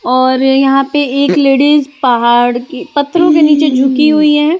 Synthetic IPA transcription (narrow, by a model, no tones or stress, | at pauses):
ɔːɾjɐɦãpeeːkleːɽɪzpɐɦaːɽkipɐt̪ʰːɾõkeniːt͡ʃed͡ʒʱʊkiɦuiɦɛ̃ː